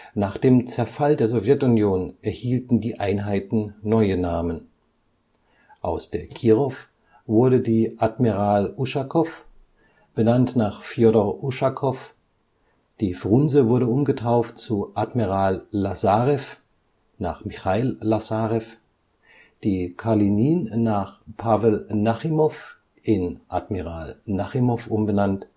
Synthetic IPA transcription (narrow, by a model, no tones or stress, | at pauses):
naːχd̥eːmt͡sɛɐfaldeːɐzɔvjɛtʊnjoːnʔɛɐhiːltn̩diːʔaɪnɦaɪtn̩nɔʏənaːmən | ʔaʊsd̥eːɐkʰiːʁɔf | vʊɐɾədiːʔatmiʁaːluʃakʰɔf | b̥ənantnaːχfjodɔuʃakʰɔf | d̥iːfʁʊnzəvʊɐɾəʊmɡətʰaʊft̚t͡suʔatmiʁaːlːazaːʁɛf | naːχmixaɪlːazaʁɛf | d̥iːkʰaliniːnːaːχpʰavɛlnaχimɔf | ʔɪnʔatmiʁaːlnaχimɔfʔʊmbənant